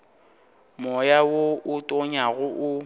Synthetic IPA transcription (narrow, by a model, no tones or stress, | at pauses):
mɔjawoʔʊtʼɔɲaɣʊʔʊ